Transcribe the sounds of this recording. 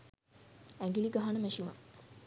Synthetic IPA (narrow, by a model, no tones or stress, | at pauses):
æŋɡiliɡaɦanəmæʃima̰